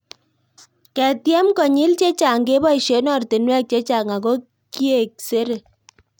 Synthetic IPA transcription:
kɛ˨tjɛ˦mkɔ˨ɲi˦lt͡ʃe˦t͡ʃa˨ŋɡe˦bɔ˦i˨ʃe˦nɔ˦˨rtɪ˨nwɛ˦k̚t͡ʃe˦t͡ʃa˨ŋa˨ko˦ | ki˦e˨k̚se˦ɾe˨

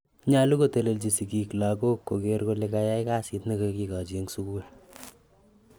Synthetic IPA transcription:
ɲa˦lu˦ko˦te˨le˨lt͡ʃi˨si˨ki˨klako˦kːo˨keɾko˦le˦ka˧ja˦jka˦si˨tne˦ko˨ki˨ka˨d͡ʒe˦ŋsu˦ku˦l

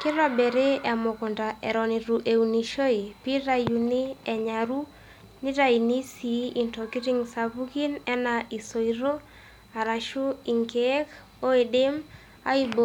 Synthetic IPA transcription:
kɪ˦ɾɔ˦be˨ɾe˦a˨mo˨kʊ˨nda˨ʔɛ˨ɾɔ˨ni˨ɾu˨ʔe˨u˨ni˨ʃo˦i˨pi˦ɾa˦ju˨ni˦ɛ˨ɲa˨ɾu˦ | ni˦ɾa˦˨i˨ni˦si˨ʔi˨nto˨ki˦ɾi˦ŋsa˨bu˦ɡi˦nɛ˦na˨i˨so˨iɾo˦ | a˨ɾa˨ʃu˦i˨ŋke˦k | o˦e˨de˦m | a̰˦i˦bo˦

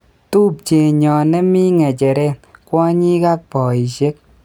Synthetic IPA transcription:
tu˦p̚t͡ʃe˨ɲɔ˨nɛ˦mi˦ŋɛ˨t͡ʃɛ˨ɾɛ˦kwɔ˦ɲi˦ka˦k̚pɔ˨i˨ʃe˦k̚

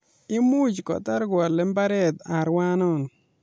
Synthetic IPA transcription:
ɪ˦mu˦t͡ʃkɔ̰˨ta˦ɾɡwa˨lɛ˨˦mba˦ɾɛ˦d̪a˨ɾwa˦nɔ˦˨n

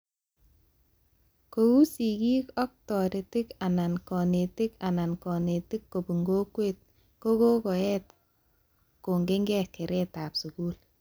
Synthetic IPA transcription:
ko˨u˦si˨kiː˦kɔ˦k̚tɔ˨ɾe˨tɪ˦ka˨na˨nkɔ˨ne˨tɪ˦ka˨na˨nkɔ˨ne˨tɪ˦kːo˨bu˨ŋɡo˦kwe˦t̚ | ko˦ko˦kɔ˨ɛ˦t̚ | ko˨ŋɡe˦ŋɡɛ˦ke˨ɾɛ˦ta˨psu˨ku˦l

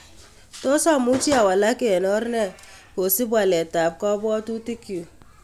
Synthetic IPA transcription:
to˦sɔ˦˨mu˦t͡ʃi˦a˨wa˨la˦ke˨nɔ˦ɾnɛ˦˨ | ko˨si˦bwa˨lɛ˨ta˨p̚kɔ˦bɔ˦tu˦ti˦kjo˨

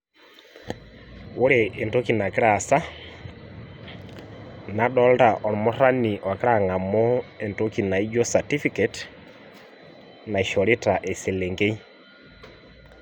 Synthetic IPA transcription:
wo˦ɾe˨ʔe˨nto˦ki˨na˨ki˦ɾa˨sa˦ | na˨dɔ˦lda˨ʔɔ˨ɾmɔ˦ɾa˦ni˨ʔa˨ke˦ɾa˨ŋa˨mɔ˦e˨nto˦ki˨na˨i˦d͡ʒo˦sa˨ti˦fi˦kɛ˨t | na˨i˨ʃɔ˨ɾi˦ta˨ʔe˨se˨le˨ŋɡe˦i˦

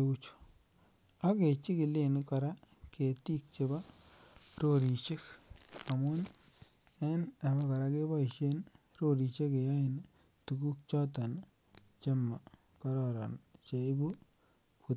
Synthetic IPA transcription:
eu˦t͡ʃu̥˨ | a˦ke˨t͡ʃi˦kɪ˨le˨nka˨ɾa˦ke˨ti˦k̚t͡ʃe˨ba˦ | ɾo˦ɾi˨t͡ʃe˦ka˨mu˦n | ɛ˦na˨ba˦ka˨ɾa˦ke˦ba˦i˨ʃe˦nɾo˦ɾi˨t͡ʃe˦ke˨ja˦ɪ˨n | tu˨ku˦k̚t͡ʃɔ˦ta˨n | t͡ʃe˦mːa˨ | kɔ˦ɾɔ˨ɾa̰˨nt͡ʃe˨i˦bu˦ | pu˨t

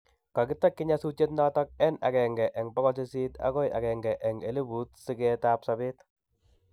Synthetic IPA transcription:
ka˨kɪ˦tːa˦kːɪ˦ɲa˦su˦t͡ʃe˦t̬nɔ˦tɔ˦k̚ɛ˦na̰˨kɛ˨ŋɡɛ˨ʔɛ˨ŋbɔ˦kɔ˦s̬i˦si˦ta̰˦kɔ˦ja̰˨kɛ˨ŋɡɛ˨ʔɛ˨ŋe˨li˦bu˨˦t̚si˦kɛtapsabe˦t

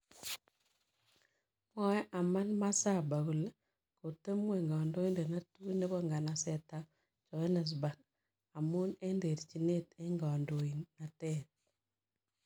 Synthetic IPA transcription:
mɔ˦ɛ˦ʔa˨ma˦nma˦sa˦˨ba˨ɡu˨l | ko˨te˦mwe˨ŋɡa˨ndo˦i˦nde˨na˦tu˦ne˦βɔ˦ŋɡa˨na˨sɛ˨ta˦ | t͡ʃɔ˨e˦ne˨s̬ba˨k | a˨mu˦ne˦nde˨ɾt͡ʃi˨ne˦te˦ŋɡa˨ndo˨i˨nːa˨tɛ˦t̚

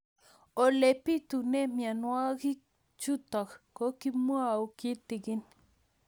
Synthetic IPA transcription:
o˨le˨pi˦t̪u˨ne˦mja˨nwa˦ɡi˦ | t͡ʃu˦t̪a˨kko˦ki˦mwa˦u˦ki˦t̪i˨ɡi˦n

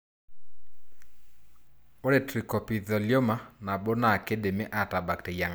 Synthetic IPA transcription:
o˦ɾe˨tɾi˨kɔ˨pi˨ðɔ˨ljo˦ma˨na˨bo˦na˨ke˦de˨me˦ʔa˨ta˨ba˨k̚te˨ja˨ŋa˨

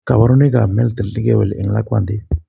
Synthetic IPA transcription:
ka˨wa˦ɾu˦ne˦ɡa˨mɛ˦lt̪ə˨lli˦ɡe˨we˨lɛ̰˨ŋla˦kwa̰˨nd̪i˦

